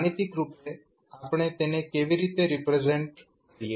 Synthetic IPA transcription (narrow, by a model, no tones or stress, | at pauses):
nit̪ikɾupe | apɳ̃et̪enekeʋiɾit̪eɾipɾed͡ʒeɳʈ | kəɾije